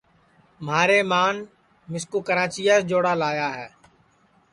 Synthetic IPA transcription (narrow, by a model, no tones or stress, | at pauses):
maːɾeːmaːn | mɪskoːkəɾãːt͡ʃijaːsd͡ʒoːɽaːlaːjaːɦɛː